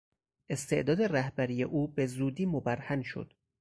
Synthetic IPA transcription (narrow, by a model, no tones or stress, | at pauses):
ʔe̞st̪ʰe̞̰ʔd̪ɒːd̪e̞ræhbæɾijeʔuːbe̞zuːd̪iːmobæɾhænʃo̰d̪̥